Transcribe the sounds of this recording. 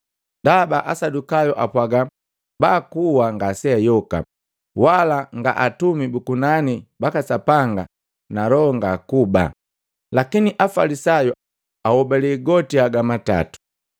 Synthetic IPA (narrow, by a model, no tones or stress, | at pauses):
dabaʔasadukajuʔapwaɡa | baːkuwaŋɡasɛajɔka̰ | walaŋɡa̰ʔatumibukunanibakasapaŋɡa̰ | nalɔŋɡakuba̰ | lakiniʔafalisaju | awɔbɛliɡɔtiaɡamata̰tu̥